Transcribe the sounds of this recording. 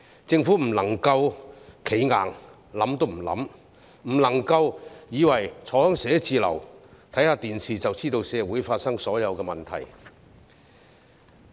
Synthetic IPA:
t͡sɪ˧ŋfuː˨˥m̩˨˩lɐ˨˩ŋkɐ˧wkʰe˨˥jŋaː˨˩ŋ | lɐ˨˥mt̪o˥wm̩˨˩lɐ̰˨˥m | m̩˨˩lɐ˨˩ŋkɐ˧wjiː˨˧wɐ˨˩jt͡sʰɔ˨˥hœ˥ŋsɛː˨˥t͡siː˨˧lɐ̰˨˩wt̪ʰɐ˨˥jhaː˨˧t̪iː˨nsiː˨t͡sɐ˨wt͡siː˥t̪o˧wsɛː˨˧wuː˨˥jfaː˧t̚sɐ˥ŋsɔː˨˥jɐ˨˧wkɛː˧mɐ˨˩nt̪ʰɐ̰˨˩j

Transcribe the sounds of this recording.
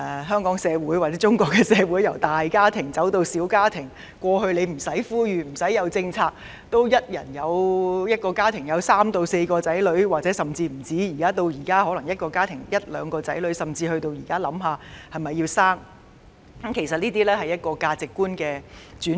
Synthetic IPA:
ɦœː˥ŋkɔː˨˥ŋsɛː˨˧wu˨˥jwaː˨˩t͡sɛː˨˦t͡ʃʊ˥ŋkɔː˧kːɛ˧sɛː˨˧wuː˨˥jɐ˨˩wt̪aː˨jkaː˥t̪ʰɪ˨˩ŋt͡sɐ˨˥wt̪o˧wsiː˨˥wkaː˥t̪ʰɪ˨˩ŋ | kʷɔː˧ɦɵ˧ɥle˨˧jm̩˨˩sɐ˨˥jfuː˥jyː˨˧m̩˨˩sɐ˨˥jːɐ˨˧wt͡sɪ˧ŋt͡sʰaː˧k̚ | t̪o˥wjɐ˥t̚jɐ˨˩njɐ˨˧wjɐ˥t̚kɔː˧kaː˥t̪ʰɪ˨˩ŋjɐ˨˧wsaː˥mt̪o˧wse˧jkɔː˧t͡sɐ˨˥jlɵ˨˥ɥwaː˨k̚t͡sɛː˨˥sɐ˨mt͡siː˧m̩˨˩t͡siː˨˥jiː˨˩kaː˥t̪o˧wjiː˨˩kaː˥hɔː˨˥lŋjɐ˥t̚kɔː˧kaː˥t̪ʰɪ˨˩ŋjɐ˥t̚lœː˨˧ŋkɔː˧t͡sɐ̰˨˥jlɵ˨˥ɥsɐ˨˩mt͡siː˧hɵ˧ɥt̪o˧wjiː˨˩kaː˥lɐ˨˥mɦaː˨˧hɐ˨jmɐ˨jːi˧wsaː˥ŋ | kɐ˦˥mkʰe˨˩jsɐ˨t̚niː˥t̪iː˥lɛː˥hɐ˨jɐ˥t̚kɔː˧kaː˧t͡sɪ˨kːuː˥nkɛː˧t͡ʃyː˨˥n

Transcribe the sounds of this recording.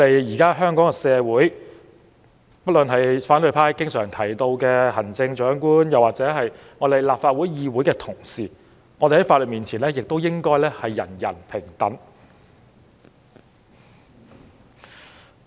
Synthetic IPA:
t̪e˨jjiː˨˩kaː˥ɦœː˥ŋkɔː˨˥ŋɛ˧sɛː˨˧wuː˨˥j | pɐ˥t̚lɵ˨nɦɐ˨jfaː˨˥nt̪ɵ˨˧ɥpʰaː˥jkɪ˥ŋsœː˨˩ŋt̪ʰɐ˨˩jt̪o˧wkɛː˧hɐ˨˩nt͡sɪ˧ŋt͡ʃœː˨˥ŋkuː˥njɐ˨˩waː˨k̚t͡sɛː˨˥ɦɐ˨j | ŋɔː˨˧t̪e˨jlaː˨pfaː˧t̚wuː˨˥jjiː˧wuː˨˥jkɛː˧t̪ʰʊ˨˩ŋsiː˨ | ŋɔː˨˧d̪e˨˩hɐ˨˥jfaː˧t̚lə˨t̚miː˨nt͡sʰiː˨˩nlɛː˥jɪ˨k̚t̪o˥wjɪ˥ŋkɔː˥jlɛː˥hɐ˨jːɐ̰˨˩njɐ̰˨˩npʰɪ˨˩ŋt̪ɐ˨˥n

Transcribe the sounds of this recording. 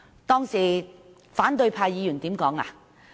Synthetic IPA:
t̪ɔː˥ŋsiː˨˩ | faː˨˥nt̪ɵ˧ɥpʰaː˧jjiː˨˧jyː˨˩nt̪iː˨˥mkɔː˨˥ŋa̰ː˧

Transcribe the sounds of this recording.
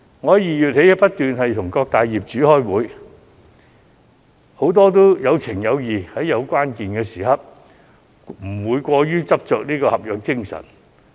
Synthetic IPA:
ŋɔː˨˧jiː˨˧jyː˨t̚he˨˥jpɐ˥t̚t̪yː˨nɦɐ˨jt̪ʰʊ˨˩ŋkɔː˧k̚t̪aː˨jjiː˨p̚t͡ʃyː˨˥hɔː˥˩jwuː˨˧˥j | ho˨˥wt̪ɔː˥t̪o˥jɐ˨˧wt͡sʰɪ˨˩ŋjɐ˨˧wjiː˨˩hɐ˨˥jɐ˨˧wkʷwaː˥nkiː˨nkɛː˧siː˨˩ɦɐ˨p̚ | m̩˨˩wuː˨˧jkʷɔː˧jyː˥t͡sɐ˥p̚t͡ʃœː˨k̚niː˥kɔː˧hɐ˨p̚jœː˨˧k̚t͡sɪ˥ŋsɐ̰˨˩n

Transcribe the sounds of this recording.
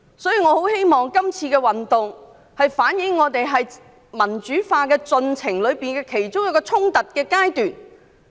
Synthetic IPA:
sɔː˨˥jiː˨ŋɔ˨˧ho˨˥whe˥jmɔː˨˩ŋkɐ˥mt͡sʰiː˧kɛː˧wɐ˨nt̪ʊ˨ŋ | hɐ˨jfaː˨˥njɪ˨˧˥ŋːɔː˨˧t̪e˨jɦɐ˨j | mɐ˨˩nt͡ʃyː˨˥faː˧kɛː˧t͡sɵ˧nt͡sʰɪ˨˩ŋlɵ˨˧ɥpiː˨nkɛː˧kʰe˨˩jt͡sʊ˥ŋjɐ˥kːɔː˧t͡sʰʊ˥ŋt̪ɐ˨t̚kɛː˧kaː˥jt̪yː˨n

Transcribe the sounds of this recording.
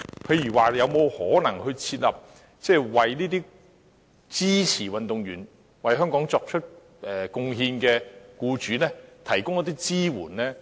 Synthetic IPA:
pʰe˧jɥyː˨˩waː˨jɐ˨˧wmo˨˧whɔː˨˥nɐ˨˩ŋhɵ˧t͡sʰiː˧t̚lɐ˨p̚ | t͡sɛː˥˩wɐ˨jniː˥t̪iː˥ | t͡siː˥t͡sʰiː˨˩wɐ˨nt̪ʊ˨ŋjyː˨˩n | wɐ˨jɦœː˥ŋkɔː˨˥ŋt͡sɔː˧k̚t͡ʃʰɵ˥t̚ | ʔɛ˨kʊ˧ŋɦiː˧nkɛː˧kuː˧t͡ʃyː˨˧˥nɛː˥t̪ʰɐ˨˩jkʊ˥ŋjɔ˧˥t̪iː˥t͡siː˥wṵː˨˩nlɛː˥

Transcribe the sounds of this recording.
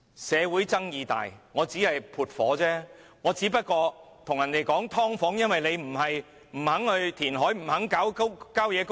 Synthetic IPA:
sɛː˨˧wuː˨˥jt͡sɐ˥ŋjiː˨˧t̪a̰ː˨jŋɔː˨˧t͡siː˨˥hɐ˨jpʰuː˨t̚fɔ̰ː˨˥t͡sɛː˥ŋɔː˨˧t͡siː˨˥pɐ˥t̚kɔː˧t̪ʰʊ˨˩ŋjɐ˨˩nt̪e˨jkɔː˨˥ŋt̪ʰɔː˥ŋfɔː˨˥ŋjɐ˥nwɐ˨jle˨˧jm̩˨˩hɐ˨j | m̩˨˩hɐ˨˥ŋhɵ˧ɥt̪ʰiː˨˩nɦɔː˨˥jm̩˨˩hɐ˨˥ŋkaː˨˥wkkaː˥wjɛː˨˧k

